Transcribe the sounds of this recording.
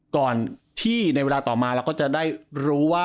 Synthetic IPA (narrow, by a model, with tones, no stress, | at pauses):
kɔː˨˩nt̪ʰiː˥˩na˧weː˧laː˧t̪ɔː˨˩maː˧ɾɛː˧˦˥wkɔː˥˩t͡ɕa˨˩daː˥˩jɾuː˦˥waː˥˩